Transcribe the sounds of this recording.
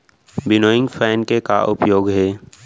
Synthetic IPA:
bɪnoːɪ̃ŋɡfʰɛːnkeka̰ʔʊpjoːɡɦɛː

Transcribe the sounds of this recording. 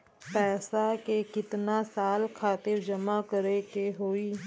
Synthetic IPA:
pɛːsaːkekɪt̪naːsaːlkʰaːt̪ɪɾd͡ʒəmaːkəɾeːkeɦoːiː

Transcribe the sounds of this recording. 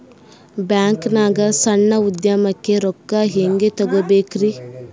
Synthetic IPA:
bjaːŋknaːɡɐsɐɳːɐud̪jamɐkːe̞ɾɔkːaɦeŋɡet̪ɐɡobeːkɾi

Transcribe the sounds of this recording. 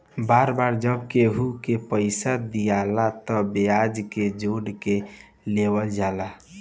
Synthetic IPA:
baɾbaɾd͡ʒəbkeɦukepəɪsad̪ijalat̪ɔbead͡ʒked͡ʒoɽke | lewəld͡ʒala

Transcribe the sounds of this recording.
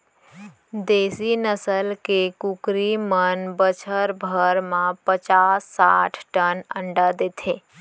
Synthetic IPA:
d̪eːsinəsəlkekukɾimənbət͡ʃʰəɾbʱəɾmãpət͡ʃaːsːaːʈʰʈənə̃ɳɖad̪eːt̪ʰeː

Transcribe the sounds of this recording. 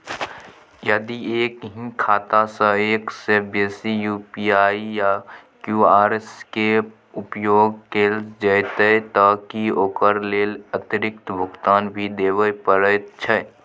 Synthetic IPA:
jəd̪ieːkɦĩkʰaːt̪asə̃eːksebeːsijuːpiaːijakjuaːɾeske | ʊpjoːɡkeːlsd͡ʒəjt̪ət̪əkioːkəɾleːlət̪ɪɾɪk̚t̪bʱʊɡt̪aːnbʱid̪eːʋəjpəɾət̪t͡ʃʰɛ

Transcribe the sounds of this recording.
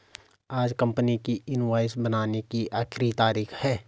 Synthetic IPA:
aːd͡ʒkɐ̃mpnikiɪnʋaːɪsbənaːnekiaːxʰɪɾit̪aːɾiːxhɛː

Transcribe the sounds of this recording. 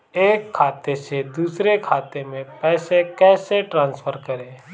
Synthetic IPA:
eːkʰːaːt̪esed̪uːsɾekʰaːt̪emẽpɛːsekɛːseʈɾãːnspʰəɾkəɾeː

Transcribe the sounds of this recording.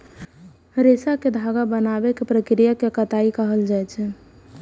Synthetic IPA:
ɾesaked̪ʱaɡabənabekepɾəkɾijakekət̪aikəɦəld͡ʒajt͡ʃʰɛ

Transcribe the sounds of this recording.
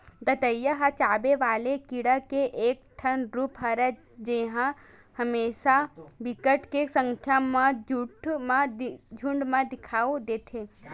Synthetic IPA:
d̪ɐt̪əjːəɦat͡ʃaːbeʋaːlekɪɽakeʔeːk̚t̪ʰənɾupɦɐɾɛ | d͡ʒeɦã | həmeːʃabɪkəʈkesə̃ŋkʰjamãd͡ʒʊʈmãd͡ʒʱʊ̃ɳɖmãd̪ɪkʰaːud̪eːt̪ʰe

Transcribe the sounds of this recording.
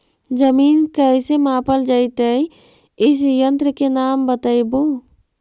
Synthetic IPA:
d͡ʒəmiːnkəsemãpəld͡ʒaɪt̪əj | is̬jənt̪ɾəkenambət̪əjbo

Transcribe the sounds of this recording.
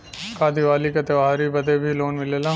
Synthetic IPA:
kaːd̪iʋaːlikɐt̪eʋaːɾibɐd̪ebʱiloːnmɪleːlãː

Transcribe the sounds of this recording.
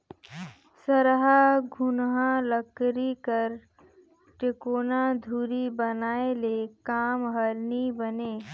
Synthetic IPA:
səɾɦaɡʱʊnɦãləkɾikəɾ | ʈekoːnad̪ʱuːɾibənaːelekaːmɦəɾnibəneː

